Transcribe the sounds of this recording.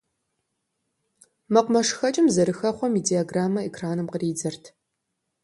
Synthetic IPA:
mɐqʷʊmɐʂxɐt͡ʃʼɪmzɐɾɨxɐχʷɔmidiaɡraːmɐekʰraːnɨmqəriːd͡zɐrtʰ

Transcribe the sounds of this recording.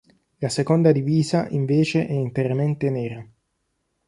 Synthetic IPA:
lasekond̪ad̪iviːzaʔiɱveːt͡ʃeʔɛint̪eɾament̪enɛːɾa

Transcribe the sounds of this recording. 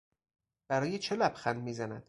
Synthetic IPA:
b̥æɾɒːjet͡ʃʰelæbxænd̪miːzænæd̪̥

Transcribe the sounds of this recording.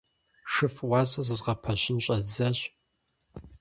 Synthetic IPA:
ʂɨfwɑːzʼɐzɨzʁɐpʰɐɕɪnɕʼɐzɐɕ

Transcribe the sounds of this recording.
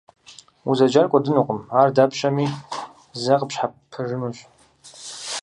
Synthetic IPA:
uzad͡ʒarkʷʼadɨnuqʼəmardapʰʃami | zaqʼəpʃħapʰɨʐɨnuʃʷʼ

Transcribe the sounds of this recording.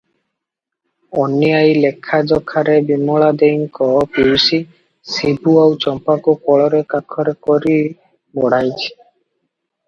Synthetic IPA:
ɔnijajlekʰːad͡ʒɔkʰːaɾebimɔɭad̪ejŋkɔpiwsi | sibuawt͡ʃɔmpakukɔɭɔɾekakʰɔɾekɔɾi | bɔɽ̤ajt͡ʃʰi̥

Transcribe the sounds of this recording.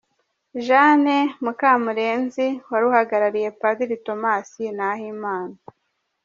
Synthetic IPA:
ʒanemukaːmuɾe̞ːnziwaɾuhaɡaɾaɾije̞pad̪iɾito̞maːsinahiːmaːna

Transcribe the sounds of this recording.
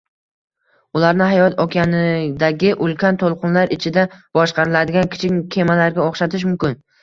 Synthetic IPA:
ʊlaɾnɪɦajɒt̪ʰɒkʰʲanɪd̪aɡʲɪʔʊlˠkʲʰant̪ʰolˠqʰʊnlaɾɪt͡ʃʰɪd̪ab̥ɒʃqɑɾɪlad̪ɪɡʲankʲʰɪ̥t͡ʃʰɪkʲkʲʰːe̞malaɾɡʲaoχʃat̪ʰɪʃ̬mʊmkʲɪn

